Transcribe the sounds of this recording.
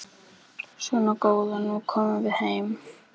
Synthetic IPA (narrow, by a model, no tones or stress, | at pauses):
svɔnakoːwðanukʰɔːmʏvɪðhejm